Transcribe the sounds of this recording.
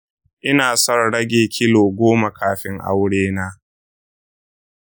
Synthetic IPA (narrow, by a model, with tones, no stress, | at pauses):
ʔɪ˦naː˨sɐ˦rɽɐ˦ɡʲeː˨kʲʰɪ˦loː˨ɡʷoː˦ma˨kʰaː˨ɸɪ˦ŋʔa̰˦wɽeː˦naː˦